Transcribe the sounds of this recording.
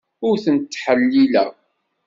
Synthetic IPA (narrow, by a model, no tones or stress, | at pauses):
ʊɾθənt̪ːħəlːilæ̰